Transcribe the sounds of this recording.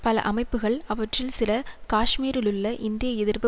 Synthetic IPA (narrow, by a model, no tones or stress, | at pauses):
pɐlɐ̰ʔɐmɐɪpːɯɣɐɭɐʋɐʈrɪlsɪlɐkaːʂmiːɾɪlɯɭːɐʔɪnd̪ɪjɐɛðɪɾbɐ